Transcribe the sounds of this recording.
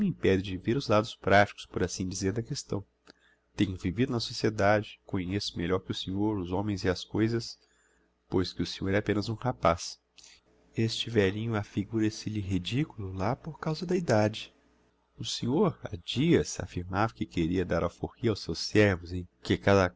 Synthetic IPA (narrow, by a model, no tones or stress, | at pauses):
mĩpɛdɪd͡ʒɪveɾʊzlad̪ʊspɾat͡ʃi̥kʊ̥spoɾasĩd͡ʒizeɾd̪ɐkest̪ɐ̰̃w̃ | t̪ẽɲʊvivid̪ʊnɐsosied̪ad͡ʒɪkõɲesʊ̥meʎɔɾkɪʊsẽɲoɾʊzõmẽj̃zɪɐskojzɐs | pojskɪʊsẽɲoɾɛapẽnɐzũhapas | est͡ʃɪvɛlĩɲʊafiɡuɾesɪʎɪɦid͡ʒikulʊlapoɾkawzɐd̪ɐid̪ad͡ʒɪ | ʊsẽɲoɾa̰d͡ʒiɐsa̰fiɾmavɐkɪkeɾiɐd̪aɾʔawfohiɐawsewssɛɾvʊzekɪkad̪ɐ